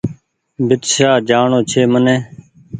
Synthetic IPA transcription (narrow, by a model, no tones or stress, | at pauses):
bʱɪt̪ʃaːd͡ʒaːɳoːt͡ʃʰeːmənẽː